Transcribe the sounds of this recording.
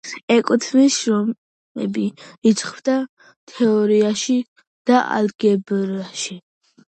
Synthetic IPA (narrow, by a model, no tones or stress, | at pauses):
ɛkʼt̪ʰmiʃɾɔ | ɛ̰biisʰχbd̪a | t̪ʰɛɔɾiaʃi | d̪̥aʔa̰lɡɛbɾaʃi